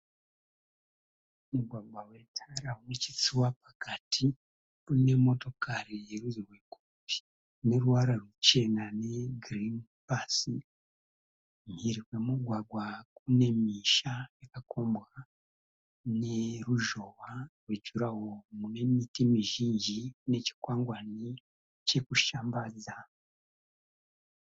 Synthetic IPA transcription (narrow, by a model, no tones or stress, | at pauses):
umuɡwaɡwawe̞tʰaɾaunet͡ʃi̥t͡siwapakatʰi | mune̞mo̞to̞kʰaɾiɾuzirwe̞kopi̥ | ne̞ɾuwaɾarwut͡ʃe̞nane̞ɡrinpasi | mhiɾirwe̞muɡwaɡwakune̞miʃaekakʰoːmbɣa | neɾuʒo̞waɾwecuɾahomune̞mitimiʒiːɲʒine̞ci̥kwaːŋɡwani | ce̞kuʃaːmbaza